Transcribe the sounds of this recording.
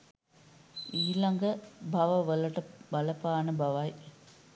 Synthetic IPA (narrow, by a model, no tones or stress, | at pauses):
iːlɐŋɡɐbʱɐʋɐʋɐlɐʈɐʋɐlɐpaːnɐbʱɐʋɐj